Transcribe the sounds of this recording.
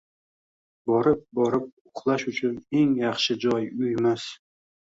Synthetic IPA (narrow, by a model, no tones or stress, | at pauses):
bɒɾɪp̚bɒɾɪp̚ʊqʰlˠaʃʊt͡ʃʰʊne̞ŋjɑχʃɪd͡ʒɒjʊjmas